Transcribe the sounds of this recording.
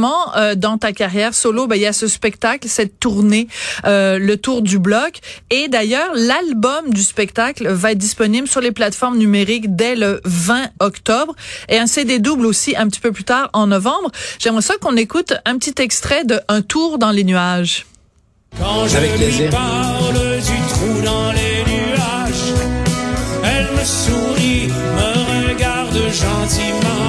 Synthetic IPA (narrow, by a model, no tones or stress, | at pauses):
mɑ̃ød̪ɑ̃t̪akaʁjɛːʁsolobɛijasəspɛkt̪aklsɛt̪ːuʁneølət̪uʁd̪yblɔked̪ajœːʁlalbɔmd̪yspɛkt̪aklvaɛt̪̚d̪ispɔniblsyʁleplat̪fɔʁmnymeʁikd̪ɛləvɛ̃ɔkt̪ɔbʁeɛ̃sed̪ed̪ublosiɛ̃pət̪i̥pøplyt̪aːʁɑ̃nɔvɑ̃bʁʒ̥ɛmʁɛswakɔ̃nekut̪ɛ̃pət̪it̪ɛkst̪χɛd̪əɛ̃t̪ʰuːʁd̪ɑ̃lenyaʒ | kɑ̃ʒaəvɛlepaʁləd̪yt̪χud̪ɑ̃lenyaʒ | ɛlməsu | ʁi | məʁəɡaʁd̪əʒɑ̃t̪imɑ̃